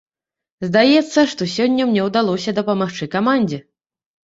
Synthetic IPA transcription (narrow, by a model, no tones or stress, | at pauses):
zd̪ajɛt̪sːɐʂt̪ɔsʲɔnʲːɐmnʲɛwd̪alˠɔsʲɐd̪ɐpɐmaxt͡ʂɨkamanʲd͡zʲɛ